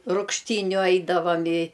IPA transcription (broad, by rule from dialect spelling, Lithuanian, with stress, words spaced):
ruːkʃʲˈtʲiːnʲʊ ˈɐɪdɐʋɐm ɪ